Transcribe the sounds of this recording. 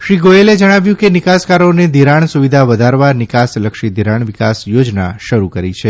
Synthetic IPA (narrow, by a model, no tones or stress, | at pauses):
ʃɾiɡoeled͡ʒəɽ̃aʋjũkenikaskaɾoned̪ʱiɾaɳ̃suʋid̪ʱaʋəd̪ʱaɾʋanɪkasləkʃid̪ʱiɾaɳʋɪkasjod͡ʒna̰ʃəɾukəɾit͡ʃʰe